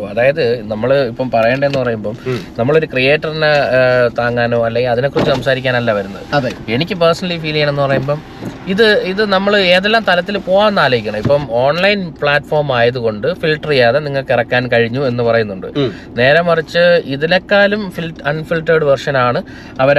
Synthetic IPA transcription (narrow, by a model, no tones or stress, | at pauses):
ɐðaːjɐðɨnɐmːɐɭɨipːɐmpɐrɐjeɳɖenːɨpɐrɐjumboːmnɐmːɐɭo̞ɾukrijeːʈːɐrinet̪aːŋːaːnoːɐlːeŋɡilɐðinokːrot͡ɕːusɐmsaːɾikʲːaːnɐlːɐʋɐɾunːɐðɨɐðe̞nikʲːɨpersɐnɐlːifiːliŋːɐɳe̞nːɨpɐrɐjumbo̞ːm | iðɨiðɨnɐmːɐɭe̞ːðelːaːmt̪ɐlɐt̪ːilpo̞ːnːaːlɐjikʲːuɳɐmipːomoːɳlɐjnpɭaːʈːfo̞ːrmaːjɐðuko̞ɳɖɨfilʈrijaːðeniŋːɐɭkirɐkːaːnkɐɻiɲːue̞nːɨpɐrɐjunːuɳɖɨ̰ | ne̞ːɾɐmɐrit͡ɕːɨiðinekːaːlumfilɐnfilʈːɐɽɨʋɐrʂɐnaːɳɨ | ɐʋɐɾ